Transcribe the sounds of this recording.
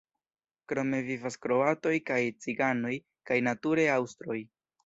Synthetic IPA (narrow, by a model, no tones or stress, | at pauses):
kɾo̞me̞vivaskɾo̞ato̞jkajt͡siɡano̞j | kajnatuɾe̞awstɾo̞j